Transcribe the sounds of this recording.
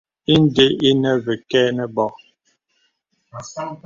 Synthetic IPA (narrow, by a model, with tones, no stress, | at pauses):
i˦n˦de˦ʔi˦nɛ˦vɛ˨kɛː˦nɛ˦bɔ˦˨